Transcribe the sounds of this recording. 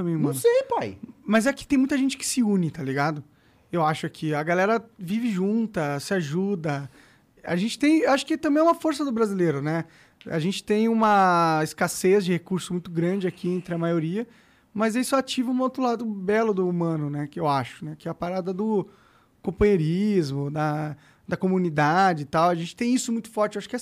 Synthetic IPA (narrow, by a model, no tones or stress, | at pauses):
ɐ̃mẽj̃umnɐ̃sejpajmɐzɛkɪ̥t̪ẽj̃mũt̪ɐʒẽnt͡ʃɪkɪ̥sɪũnɪt̪aliɡad̪ʊ | ewaʃʊakʰiɐɡalɛɾɐvivɪʒũnt̪ɐsɪaʒud̪ɐ | a̰ʒẽnt͡ʃɪ̥t̪ẽj̃ewaʃʊ̥kɪt̪ɐ̃bẽj̃ɛũmɐfoɾsɐd̪ʊbɾazileɾʊnɛ | a̰ʒẽnt͡ʃɪ̥t̪ẽj̃ũmɐɪskasezd͡ʒɪhekuɾsʊsmũj̃t̪ʊɡɾɐ̃d͡ʒɪakʰiẽnt̪ɾɪɐmajoɾiɐ | mɐzeɪsɔat͡ʃivɐũot̪ɾʊlad̪ʊbɛlʊd̪ʊːmɐ̃nʊnɛkɪewaʃʊ̥nɛkɪɛɐpaɾad̪ɐd̪ʊ | kõpɐ̃j̃eɾizmʊd̪ɐ | d̪ɐkomunid̪ad͡ʒɪt̪awɐʒẽnt͡ʃɪ̥t̪ẽj̃isʊmũj̃t̪ʊ̥fɔɾt͡ʃɪewaʃʊ̥kɪɛ